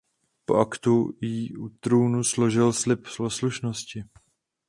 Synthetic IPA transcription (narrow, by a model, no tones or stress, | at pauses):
po̰ʔakt̪ujiːʔut̪ɾuːnuslo̞ʒɪlslɪpslosluʃnoscɪ